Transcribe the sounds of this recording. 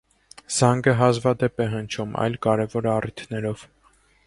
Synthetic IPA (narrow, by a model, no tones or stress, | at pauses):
z̥ɑŋɡəɦɑzvɑd̪ɛpɛɦənt͡ʃʰumʔɑ̰jlkɑɾɛvɔɾɑrit̪ʰnɛɾɔv̥